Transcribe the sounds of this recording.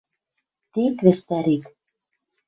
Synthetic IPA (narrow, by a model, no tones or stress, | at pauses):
t̪ekβɘ̆st̪æɾik